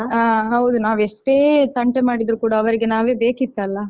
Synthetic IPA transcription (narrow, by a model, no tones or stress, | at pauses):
aːɦɐwd̪unaːʋɛʂʈeːt̪ɐɳʈemaːɽid̪ɾukuːɽɐːʋɐɾiɡenaːʋeːbeːkit̪ːɐlːɐ